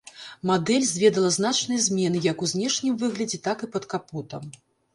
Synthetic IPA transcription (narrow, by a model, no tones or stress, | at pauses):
mad̪ɛlʲzʲvʲɛd̪ɐlˠɐznat͡ʂnɨjɐzʲmʲɛnɨjɐkuzʲnʲɛʂnʲimvɨɣlʲɐd͡zʲɛt̪akɨpɐt̪kaput̪ɐm